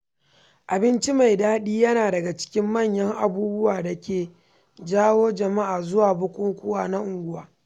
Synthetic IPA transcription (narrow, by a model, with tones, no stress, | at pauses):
ʔa˨bɪ˦nt͡ʃi˦ma˨jdaː˦ɗiː˦jɐ˦naː˨dɐ˨ɡa˨t͡ʃɪ̥˦kʲɪ˦mːɐ˦˨ɲjɐ˦ŋʔa˨buː˦bʊ˦waː˨da˨kʲeː˨ | d͡ʒaː˦woː˦d͡ʒɐ˨ma˦ʔaː˨zʊ˦waː˨bʊ˦kʷʼʊ˦ŋkʷʊ˦waː˨na˦ʔʊ˨ŋɡʷʊ˦waː˨